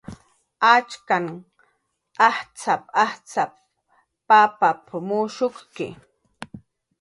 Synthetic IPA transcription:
at͡ʃkaŋ | aht͡sapaht͡sap̚ː | apapʰʊmʊʃʊχkɪ̰

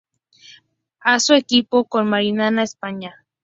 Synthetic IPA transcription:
asoekipokolmaɾinanaespaɲa

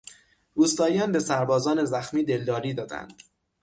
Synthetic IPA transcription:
ɾuːst̪ɒːjɒːnbe̞sæɾbɒːzɒːne̞zæxmiːd̪e̞ld̪ɒːɾiːd̪ɒːd̪æ̰nd̪̥

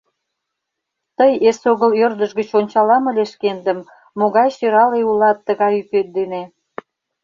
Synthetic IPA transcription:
t̪əjesoɣəljørd̪əʒɣət͡ɕonʲt͡ɕɑlɑməlʲeʃkend̪əmː | oɣɑjʃøɾɑleulɑt̪ːəɣɑjypet̪̚d̪ene

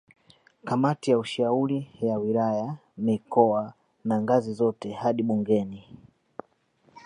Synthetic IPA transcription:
kamatijauʃauɾijawilajamikɔa | naŋɡazizɔtɛhaɗiɓuŋɡɛni

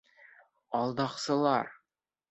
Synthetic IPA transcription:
ɑlˠd̪ɑqsɤ̆lˠɑɾ

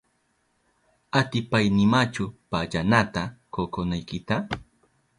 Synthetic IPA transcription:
at̪ɪpajnɪmat͡ʃʊpaʎanat̪akokonajkɪt̪a

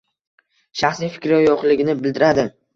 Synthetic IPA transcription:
ʃaχsijfɪ̥kʲɾɪjoqlɪɡʲɪnɪbɪld̪ɪɾad̪ɪ

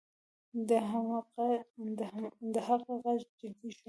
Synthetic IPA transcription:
d̪ə | d̪əɦaɣaɣazd͡ʒɪd̪iʃ

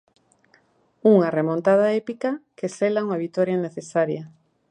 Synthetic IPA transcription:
uŋɐremont̪að̞aepikɐkeselauŋaβit̪oɾjaneθesaɾjɐ

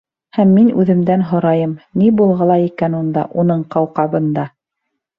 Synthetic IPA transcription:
hæmːinʉðɘ̆md̪ænɦŏɾɑjɤmnibulˠʁɑlˠɑikænund̪ɑ̰ʔunɤɴqɑwqɑβɤ̆nd̪ɑ

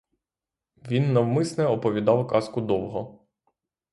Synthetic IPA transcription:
ʋʲinːɐwmɪsnɛɔpɔʋʲid̪ɑwkɑskʊd̪ɔwɦɔ

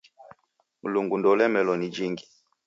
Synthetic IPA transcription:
muluŋɡundɔlɛmɛlɔnid͡ʒiŋɡi

